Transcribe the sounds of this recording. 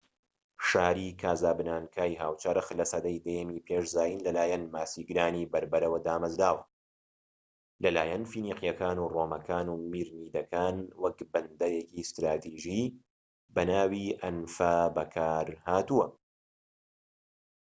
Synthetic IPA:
ʃaːɾiːkʰaːzaːbɨnaːnkʰaːjɦaːwt͡ʃɐɾɨxlɐsɐd̪ɐjd̪ɛjɛmiːpʰeːʃzaːjinlɐlaːjɛnmaːsiːɡɨɾaːniːbɐɾbɐɾɐwɐd̪aːmɐzdaːwɐ | lɐlaːjɐnfiːniːqjɐkaːnuːroːmɐkʰaːnuːmiːɾniːd̪ɐkʰaːnwɐkbɨnd̪ɐjekist̪ɾaːt̪ʰiːʒiː | bɐnaːwiʔɐnfabɐkʰaːɾhaːt̪uwɐ

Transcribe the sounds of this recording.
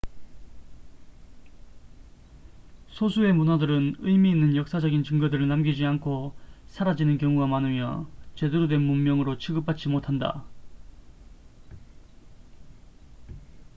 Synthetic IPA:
sʰosʰue̞munadɯɾɯnɯjmiːnːɯnjʌk̚s͈ad͡ʑʌɡint͡ɕɯŋɡʌdɯɾɯɭnamɡid͡ʑiankʰosʰaɾad͡ʑinɯnkjʌŋuɡamanɯmjʌt͡ɕe̞duɾodwe̞nmummːjʌŋɯɾot͡ɕʰiɡɯp͈at͡ɕ͈imotʰanda̰

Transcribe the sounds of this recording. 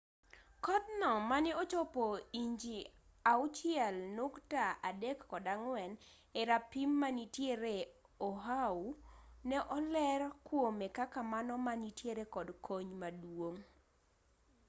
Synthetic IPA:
kɔdnɔmanɛɔt͡ʃɔpoiɲd͡ʒiaʊt͡ʃɪjɛlnʊktaadɛkːɔdaŋwɛn | ɛɾapimːanitjeɾe | oɦaunɛʔɔlɛrkwomekakamanɔmanitjeɾekɔdkʰoɲmadwoŋ

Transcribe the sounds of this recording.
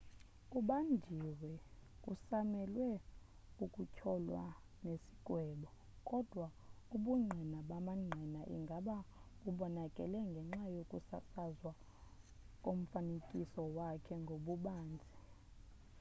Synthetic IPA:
uɓandʱiwɛkʼusamɛlwɛ | ukʼucʰɔlwa̰ | nesi̥ɡ̥ʱʼwɛɓɔ | kʼɔd̥ʱwa | uɓuŋ͡ǃʱɛnaɓamaŋ͡ǀʱinaʔḭŋɡʱaɓa | uɓɔnakʼɛ̰lɛŋɡʱɛŋ͡ǁajokʼusa̰sazwa | kʼom̩fanekʼisɔwakʰɛŋɡʱoɓuɓaːnd͡zʱi

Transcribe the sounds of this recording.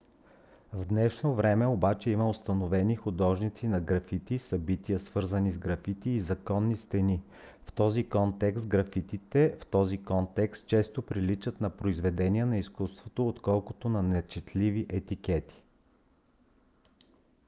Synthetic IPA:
vd̪nɛʃnovɾɛmɛobat͡ʃɛimɐost̪ɐnovɛnixʊd̪ɔʒnit̪sinɐɡɾɐfit̪isɐbit̪iəsvɤɾzənizɡɾɐfit̪iːzɐkɔnːist̪ɛni | ft̪ɔzikɔnt̪ɛkst̪ɡɾɐfit̪it̪ɛft̪ɔzikɔnt̪ɛkst̪̚t͡ʃɛst̪opɾilit͡ʃət̪nɐpɾoizvɛd̪ɛniɛnɐiskust̪vot̪oːt̪kɔlˠkot̪onɐnɛt͡ʃɛt̪liviʔɛt̪ikɛt̪i̥

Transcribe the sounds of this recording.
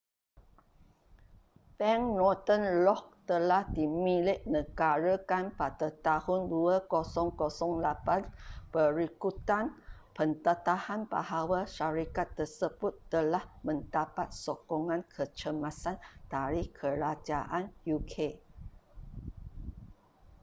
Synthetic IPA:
pɛŋnɔt̪ənlɔk̚t̪əlahdimĩlɪʔ̚nə̃ɡaɾəkanpadət̪ahʊnduəkosɔŋkosɔŋlapanpəɾikut̪anpənt̪ət̪ahanba̰hawaʃaɾikat̪ːərsəbʊt̪ːəlahmə̃ndapat̪̚sokɔŋãnkʰət͡ʃəmãsand̥aɾihkʰəɾad͡ʒaʔanjukʰe

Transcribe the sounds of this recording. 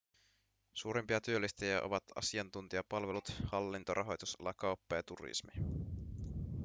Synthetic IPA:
suːɾempiɑt̪yølːist̪ejæʔo̞̰ʋɑt̪ɑ̰siɑnt̪unt̪iɑpɑlʋelut̪hɑlːint̪oɾʔɑɦo̞jt̪usɑ̰lːɑkɑwpːɑjɑt̪urḭsmi

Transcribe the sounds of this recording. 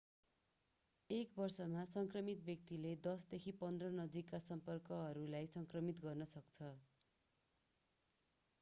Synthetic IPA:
ekbʌrsʌmasʌŋkrʌmit̪̚bjʌk̚t̪iled̪ʌsd̪ekʰipʌnd̪rʌnʌd͡zikːasʌmpʌrkʌɦʌɾulajsʌŋkrʌmit̪ɡʌrnʌsʌkt͡sʰʌ

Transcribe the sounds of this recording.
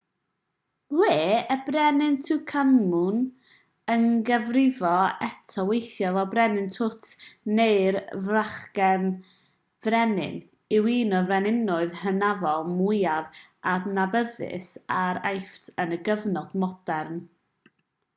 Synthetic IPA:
leːəbrɛnɪntʰukʰanmʊn | ənɡəvrɪvɔɛtʰɔwejθjɔvɔbrɛnɪntʰʊtʰneɨrvraχɡɛn | vrɛnɪ̰n | ɪwiːnɔvɛnɪnʊɨðhənavɔlˠmʊjavadnabəðɪ̰saɾajftʰənəɡəvnɔd̥mɔd̥ɛrn

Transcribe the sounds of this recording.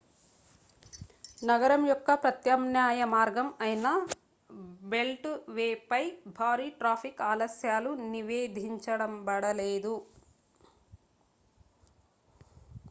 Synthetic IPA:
nɐɡɐɾɐmjɔkːɐpɾɐt̪jɐmnjaːjɐmaːɾɡɐmɐjinɐ | be̞lʈʋeːpɐjbʱaːɾiːʈɾaːpʰikaːlɐsjaːluniʋeːd̪ʱiɲt͡ʃɐɽɐmbɐɽɐleːd̪u

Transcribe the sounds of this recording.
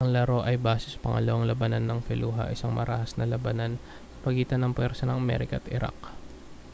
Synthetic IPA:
ʔɐŋlɐɾo̞ʔɐjbaːsɛsɐ̥pɐŋʔɐ̰lɐwɐŋlɐbɐnanːɐŋfɛluːɦɐ̰ʔɪsaŋmɐɾa̰hɐsnɐlɐbɐnan | sɐpɐɡiːt̪ɐnɐŋpwɛɾsɐnɐŋʔɐmɛ̰ɾɪkɐt̪ʔɪɾʔa̰k̚

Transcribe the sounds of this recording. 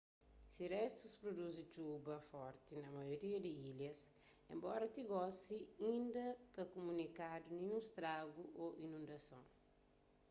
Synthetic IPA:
siɾɛst̪uspɾod̪uzit͡ʃubɐfɔɾt̪inɐmɐjoɾiɐd̪iiljɐs | ḛ̃mbɔɾɐt̪iɡɔsiĩnd̪ɐkɐkumunikad̪unĩũst̪ɾaɡuʔoʔinũnd̪ɐsõw

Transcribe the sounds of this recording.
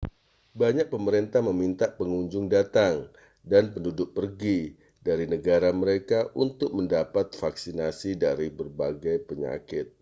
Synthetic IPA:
baɲak̚pəməɾent̪ahməmint̪aʔpəŋuɲd͡ʒʊŋdat̪aŋ | danpəndudʊk̚pərɡi | daɾinəɡaɾaməɾekaʔunt̪ʊk̚məndapat̪̚faksinasidaɾibərbaɡajpəɲa̰kɪt̪̚

